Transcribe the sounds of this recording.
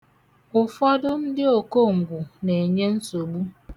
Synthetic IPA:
ʊ˨fɔ˦dʊ˦n̩˦dɪ˦o˨ko˦˨ŋ̩˨ɡʷu˨ne˨e˨ɲe˦n̩˦so˨ɡ͡bu˦

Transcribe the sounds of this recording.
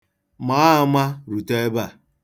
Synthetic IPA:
ma˨˦ma˦ɾu˨te˦ba˦˨

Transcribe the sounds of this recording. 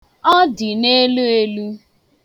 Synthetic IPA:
ɔ˦dɪ˨ne˦lu˦e˦lu˦

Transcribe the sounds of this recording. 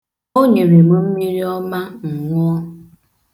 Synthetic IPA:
o˦ɲe˨ɾe˨m̩˦m̩˦mi˦ɾi˦ɔ˦ma˦ŋ̩˨ŋʷ˦ɔ˦

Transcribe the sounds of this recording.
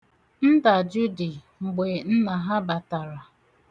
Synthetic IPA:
n̩˦da˨d͡ʒu˦di˨ | ŋ͡m̩˨ɡ͡be˨n̩˦na˨ɦa˦ba˨ta˨ɾa˨

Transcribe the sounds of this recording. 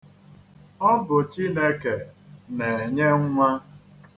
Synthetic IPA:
ɔ˦bʊ˨t͡ʃi˦ne˦ke˨ne˨e˨ɲe˦ŋ̩˦ŋʷa˦

